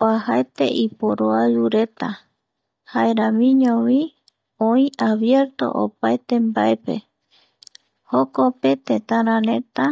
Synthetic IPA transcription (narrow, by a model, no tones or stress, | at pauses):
oahaet̪e̞̰ʔipoɾoad͡ʒuɾe̞t̪a | haeɾãmĩɲõwĩ | õĩaβje̞ɾt̪o̞̰ʔo̰paet̪e̞mbaepe̞̰ | hokope̞t̪et̪ãɾãɾẽ̞t̪a